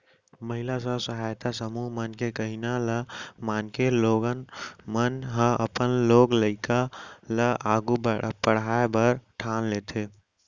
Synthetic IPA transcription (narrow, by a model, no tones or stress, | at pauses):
məɦilasəsəɦaːjt̪asəmuɦmənkekəɦinaləmaːnkeloɡənmənɦə̃ʔəpənloːɡləɪkaləʔaɡubpəɽ̤aːebəɾʈʰaːnleːt̪ʰe